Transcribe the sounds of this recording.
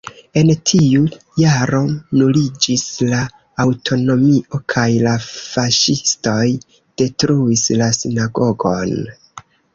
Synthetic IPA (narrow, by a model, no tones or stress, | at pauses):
e̞ntʰiu | jaɾo̞nulid͡ʒislaː | wtʰo̞no̞miʔo̞kʰajlafaʃisto̞j | d̥e̞tɾuislasinaɡo̞ɡo̞n